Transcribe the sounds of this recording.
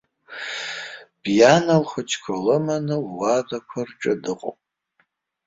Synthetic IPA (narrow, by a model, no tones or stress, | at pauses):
b̥janalχʷʊt͡ʃʰkʷʰalɨmanɨːadakʷʰarʈ͡ʂʼɨdɨqʼo̰pʼ